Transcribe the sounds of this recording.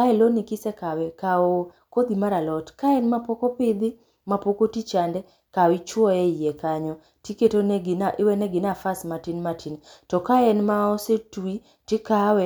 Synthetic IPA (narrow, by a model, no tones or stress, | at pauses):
aɛlonikɪsɛkawɛkao | kod̪imaɾalɔtkaɛnmapokopɪd̪ɪ | mapokotit͡ʃandɛ | kawɪt͡ʃwɔɛijekaɲɔ | tiketoneɡɪnaʔɪwɛneɡɪnafasmatinmatʰintɔkaɛnmaɔsetui | tɪkawɛ